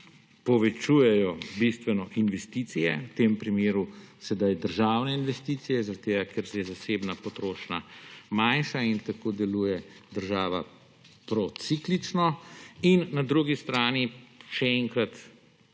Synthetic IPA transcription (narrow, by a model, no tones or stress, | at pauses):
pɔʋɛt͡ʃuːjɛjɔbist̪ʋɛnɔʔinʋɛst̪it̪sijɛ̰wt̪eːmpɾimeːɾusɛd̪ajd̪əɾʒaːwnɛinʋɛst̪iːt̪sijɛzaɾat̪eːɡakeɾsɛzaseːbnapɔt̪ɾoːʃnamanʃaint̪akoːd̪ɛluːjɛd̪əɾʒaːʋa̰ | pɾɔt̪siklit͡ʃnɔinːad̪ɾuɡist̪ɾaːniʃɛɛŋkɾat̪